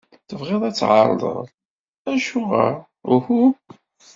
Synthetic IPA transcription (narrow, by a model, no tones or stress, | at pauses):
θəvʁeðˤæt͡sːʕɑɾˤlˤə̰ðˤ | æʃʊʁæ̰ | ʊhu